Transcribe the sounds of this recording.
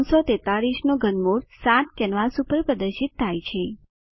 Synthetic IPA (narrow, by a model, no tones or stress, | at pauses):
nsɔt̪et̪aɾiʃnoɡənmoɾsãt̪kɛnʋasupəɾpɾəd̪əɾʃit̪ʰːajt͡ʃʰe